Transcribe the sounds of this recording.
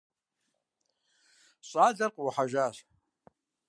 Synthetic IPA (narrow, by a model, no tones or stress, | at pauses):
ɕʷʼad͡zarqʼwaħaʒaʃʷ